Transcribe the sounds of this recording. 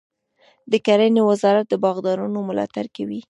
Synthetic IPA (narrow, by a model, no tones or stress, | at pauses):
d̪əkaɾanewəzɑɾat̪̚d̪əbɑɣd̪ɑɾunomʊlɑ̰t̪aɾkawi